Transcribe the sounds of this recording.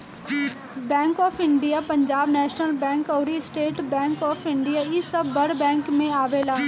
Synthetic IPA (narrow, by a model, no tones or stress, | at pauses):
bɛ̃ːŋkɔːpʰɪɳɖijaːpəɲd͡ʒaːbnɛːʃnəlbɛ̃ːŋkɔːɾisʈeːʈbɛ̃ːŋkɔːpʰɪɳɖijaːɪsəbːəɽbɛ̃ːŋkmẽaːʋelaː